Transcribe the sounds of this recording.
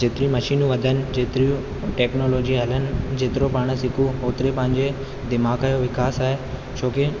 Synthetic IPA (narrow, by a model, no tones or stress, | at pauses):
d͡ʑeːt̪ɪɾijũmɐʃiːnũʋɐd̪ʱənɪ̆d͡ʑeːt̪ɪɾiũ | ʈeːknoːloːd͡ʑiɦɐlənɪ̆d͡ʑeːt̪ɪɾopaːɽ̃sɪkʰuoːt̪ɪɾepɐ̃ɦɪ̃ɲd͡ʑe | d̪ɪmaːkaːjoʋɪkaːsaːɦe | t͡ɕʰoːke